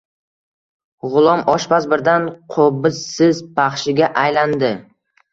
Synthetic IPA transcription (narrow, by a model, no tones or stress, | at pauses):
ʁʊlˠɒmɒʃbazbɪɾd̪anqʰobɪsɪzpʰɑχʃɪɡʲaʔajland̪ɪ